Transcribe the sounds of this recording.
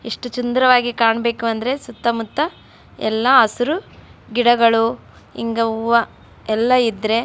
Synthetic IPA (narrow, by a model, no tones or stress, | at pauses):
iʂʈut͡ʃund̪ɾɐʋaːɡikaːɳɐbe̞ːkuɐnd̪ɐɾe̞sut̪ːɐmut̪ːɐ | ɛlːɐɐsuɾuɡiɽɐɡɐɭu | ḭŋɡɐʋɐ | ɛlːɐid̪ɾe̞